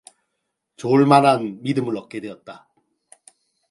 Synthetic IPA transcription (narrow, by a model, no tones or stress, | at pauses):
t͡ɕoɭmananmidɯmɯɭʌk̚k͈e̞dwe̞ʌt̚t͈a